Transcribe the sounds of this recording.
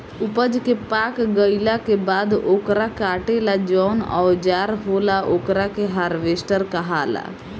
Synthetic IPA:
ʊpəd͡ʒkepaːkɡəɪlakebaːd̪oːkɾakaːʈelad͡ʒɔːnɔ̰ːd͡ʒaːɾɦolaʔoːkɾakeɦaːɾʋesʈəɾkəɦaːla̰

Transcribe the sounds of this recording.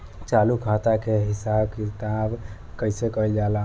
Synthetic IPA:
t͡ʃalukʰat̪akeɦisabkit̪ab | kəɪsekəild͡ʒala

